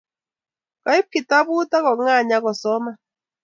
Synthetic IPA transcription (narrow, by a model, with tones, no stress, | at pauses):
ka˨˦ɪ˦p̚ki˨ta˦βu˦ta˦ɣɔ˨ŋa˦˨ɲa˦ɣɔ˨sɔ˦ma˦